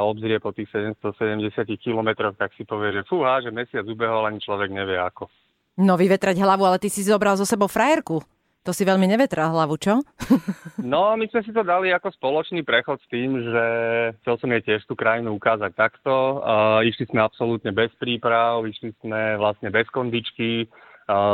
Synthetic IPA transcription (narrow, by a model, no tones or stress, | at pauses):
ɔbzɾɪɛpɔt̪iːxsɛɟɛmst̪ɔsɛɟɛmɟɛsɪacixkilɔmɛt̪ɾɔxt̪aksipɔʋɪɛʒɛfuɦaʒɛmɛsɪad͡zubɛɦɔʋalaɲit͡ʃlɔʋɛɡɲɛʋɪɛa̰kɔ | nɔʋiʋɛt̪ɾaɟɦlaʋualɛt̪isizɔbɾalzɔsɛbɔʊfɾajɛɾku | t̪ɔsiʋɛʎmiɲɛʋɛt̪ɾalɦlaʋut͡ʃɔ | nɔmizmɛs̬it̪ɔd̪aliakɔspɔlɔt͡ʃnipɾɛxɔt̪st̪iːmʒɛxt͡sɛlsɔmɛcɪɛʃt̪uːkɾajinuukaːzac̚t̪akt̪ɔiʃlismɛapsɔlut̪ɲɛbɛspɾiːpɾaʊiʃlismɛʋlast̪ɲɛbɛskɔnd̪it͡ʃki